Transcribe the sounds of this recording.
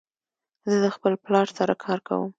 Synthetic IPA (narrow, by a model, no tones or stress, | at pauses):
zəd̪əxpəlplɑɾsaɾakʰɑɾka̰wə̰m